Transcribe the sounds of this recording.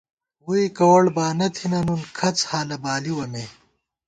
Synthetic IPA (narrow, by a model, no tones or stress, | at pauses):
wuikɐwɐɽbaːnɐt̪ʰinɐnunkʰɐt͡shaːlɐbaːliwɐmeː